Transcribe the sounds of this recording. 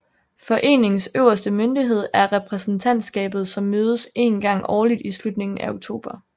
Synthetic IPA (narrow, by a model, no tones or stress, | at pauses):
fɒ̽ʔe̝̰ːne̝ŋsøʊ̰ɐsd̥əmønd̥iɦe̝ð̞̰ˠæɐʁɛpʰʁɛsn̩t͡sʰæn̰d̥sɡ̥ɛ̰ːb̥ð̩ˠsɒ̽mːøːð̞ˠəse̝̰ːnɡ̥ɑ̈ŋ̰ɒːlid̥islud̥ne̝ŋn̩æoɡ̚t͡sʰo̝̰ːb̥ɐ